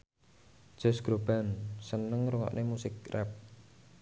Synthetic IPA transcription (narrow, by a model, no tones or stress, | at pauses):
d̥ʒ̥ɔ̤sɡ̥ɾob̥ansənəŋɾuŋɔ̰ʔnʔemusɪk̚rɛ̰p̚